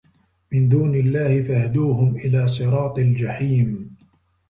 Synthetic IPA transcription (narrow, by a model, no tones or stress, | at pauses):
mɪnd̪uːnɪlːaːhɪfahad̪uːɦʊmʔɪlaːsˤɨɾˤɑːt̪ˤɪld͡ʒaħiːm